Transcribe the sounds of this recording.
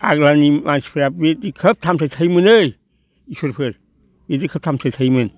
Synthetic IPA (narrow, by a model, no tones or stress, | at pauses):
a̰ɡlanimanspʰɯɾabedikʰəp̚tʰamtʰajtʰajmɯnɯj | isoɾpʰɯɾ | bedikʰəp̚tʰamtʰɯjtʰajmɯn